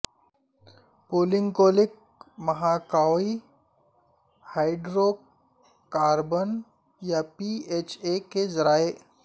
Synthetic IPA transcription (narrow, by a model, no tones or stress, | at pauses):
poːlɪ̃ŋɡkoːlɪk̚ | mɐɦakaːi | haːɪɖɾoː | aːɾbən | japieːt͡ʃekezɐɾaːe